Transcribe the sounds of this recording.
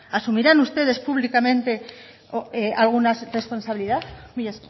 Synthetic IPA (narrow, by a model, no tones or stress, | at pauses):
asumiɾanust̪e̞ðe̞spuβlikamẽ̞nt̪e̞ | oeʔalɣ̞unasre̞spo̞nsaβiliðaθmiʝas